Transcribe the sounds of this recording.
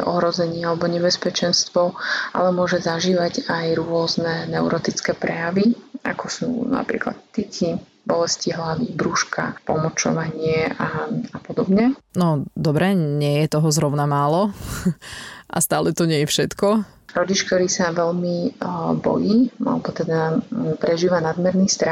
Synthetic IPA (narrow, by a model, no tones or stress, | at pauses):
ʔɔ̰ɦɾɔzɛɲɪɛalɛbɔɲɛbɛspɛt͡ʃɛnst̪ʋɔʔa̰lɛmʊɔʒɛzaʒiːʋaɟajɾʊɔznɛnɛʊɾɔt̪it͡skɛːpɾɛjaʋia̰kɔsṵːna̰pɾḭːkla̰t̪ːici | bɔlɛsciɦlaʋiːbɾuʃkʰa̰pɔmɔt͡ʃɔ̰ʋaɲɪɛaapɔd̪ɔbɲɛnɔd̪ɔbɾɛɲɪɛjɛt̪ɔɦɔzɾɔʊnamaːlɔ | ʔa̰st̪aːlɛt̪ɔɲɪɛjɛfʃɛt̪kɔ | ɾɔɟit͡ʃk̚t̪ɔɾiːsaʋɛʎmibɔ̰jiːa̰lɛbɔt̪ɛd̪apɾɛʒiːʋanad̪mɛɾnist̪ɾa